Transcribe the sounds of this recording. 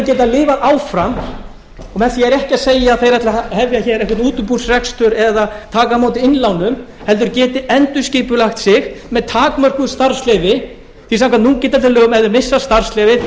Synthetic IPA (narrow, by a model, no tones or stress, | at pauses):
cɛːt̪aðlɪːvaʔaːwfɾam | ɔmɛθiɛɾɛhcɪaseːjaaðθejɾat̪lahɛvjaçɛːɾɛhkɾt̪nuːt̪ʏmpur̥srɛkst̪ʏɾɛðat̪ʰaːkamaːwt̪̬ɪɪnlawnʏm | hɛlt̪ʏɾcɛːt̪ɪʔɛnt̪ʏ̥sciːpʏlaxt̪sɪɣmɛðt̪ʰaːkmar̥kʏst̪aɾ̥slɛːjvɪ | θisaŋkanuncɛːt̪alt̪lœːɣʏmɛðʏɾmɪsːast̪ar̥slɛvɪ